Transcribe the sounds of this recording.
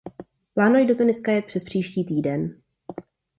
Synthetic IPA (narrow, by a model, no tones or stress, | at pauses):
plaːnojdo̞t̪unɪskajɛt̪̚pr̥ɛspr̝̥iːʃciːt̪iːdɛn